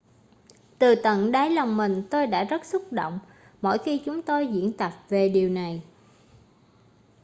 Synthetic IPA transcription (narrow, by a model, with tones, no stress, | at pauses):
t̪ɨ˨˩t̪ə̰˧˨nɗaː˨˦jla˨˩wŋ͡mmï˨˩ŋ̟t̪o˧jɗa̰ː˧˥zə˦˥t̚sʊ˦˥k͡p̚ɗo̰˧˨wŋ͡m | mo̰˧˥˨jxi˧t͡ɕʊ˨˦ŋ͡mt̪o˧jzḭ˧˥ənt̪ə˨˩p̚ve˨˩ɗi˨˩əwna˨˩j